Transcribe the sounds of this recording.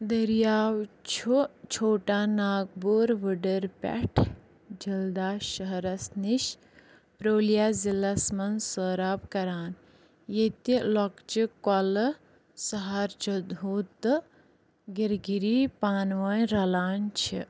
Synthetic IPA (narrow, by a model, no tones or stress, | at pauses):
d̪əɾjaːwt͡ʃʰut͡ʃʰoːʈaːnaːɡ̚boːɾʋəɖəɾpʲɛ̰ʈʰ | d͡ʒɐld̪aːʃəɦɐɾɐsniʃ | pɾoːljaːzilɐsmɐnsəːɾaːpkɐɾaːn | jet̪ilɔkt͡ʃikɐl | sɐɦaːɾt͡ʃʰɐd̪uːt̪ːɨ | ɡiɾɡiɾiːpaːnʋɐjɾɐlaːnt͡ʃʰi